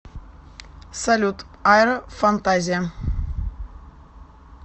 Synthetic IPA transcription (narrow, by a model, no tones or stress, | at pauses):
salʲut̪ | ajɾəfant̪azʲija